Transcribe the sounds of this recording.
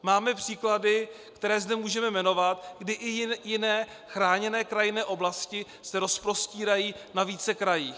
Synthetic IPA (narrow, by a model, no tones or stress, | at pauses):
maːmɛpr̝̥iːkladɪ | kt̪ɛɾɛːzdɛmuːʒɛmɛmɛno̞vat̪ɡdɪʔɪjɪnɛː | xɾaːɲɛnɛːkɾajɪnɛːʔo̞blascɪ | sɛɾo̞spɾo̞sciːɾajiːnaviːt͡sɛkɾajiː